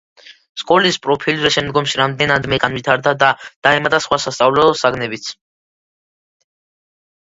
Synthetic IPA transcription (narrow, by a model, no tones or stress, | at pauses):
skʼɔlispʼɾɔpʰilɾɛʃɛmd̪ɡɔmʃiɾamd̪ɛnad̪mɛkʼanvit̪ʰaɾd̪ad̪ad̪̥aɛmat̪ʼasχwasast̪sʼavlɛɔlˠsaɡnɛbit̪sʰ